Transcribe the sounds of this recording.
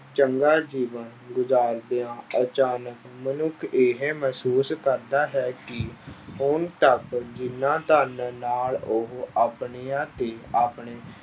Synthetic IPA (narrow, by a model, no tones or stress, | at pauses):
t͡ʃəŋɡaːd͡ʒiːʋən | ɡʊzaːɾd̪eːãːət͡ʃaːnək | mənʊkʰeɦeːməsuːskəɾd̪aːɦɛːkɪɦʊnt̪əkd͡ʒɪnːãːt̪aːnnaːlʊɦaːpɳeːãːt̪eːaːpɳeː